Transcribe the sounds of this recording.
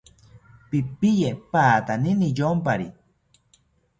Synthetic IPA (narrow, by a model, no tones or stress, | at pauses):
pipijepaːt̪aninijompaɾḭ